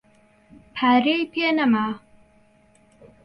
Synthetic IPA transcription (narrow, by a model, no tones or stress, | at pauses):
pʰaɾejpʰinama